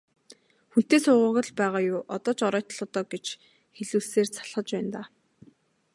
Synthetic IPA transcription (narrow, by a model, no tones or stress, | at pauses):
xun̥t̪eːsʊːʁʊ̆ːɣə̆ɮpæːʁaːjʊːʔɔt̪ɔːt͡ɕɔɾɔːt̪̆ɮɔt̪ɔːɡet͡ɕ | xeɮuːɮseːrt͡sʰḁɮχə̆t͡ɕpæːnt̪aː